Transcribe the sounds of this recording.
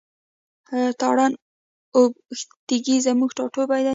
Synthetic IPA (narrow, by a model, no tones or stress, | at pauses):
t̪ɑɽɑn | obxt̪iɡizamuɡʈɑʈobajd̪a